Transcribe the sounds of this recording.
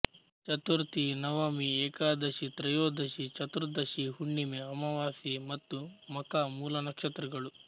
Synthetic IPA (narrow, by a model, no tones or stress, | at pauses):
t͡ʃɐt̪uɾt̪inɐʋɐmiɛːkaːd̪ɐʃit̪ɾɐjoːd̪ʱɐʃit͡ʃɐt̪uɾd̪ɐʃiɦuɳːimeɐmɐʋaːsimɐt̪ːumɐkaːmuːlɐnɐkʂɐt̪ɾɐɡɐɭu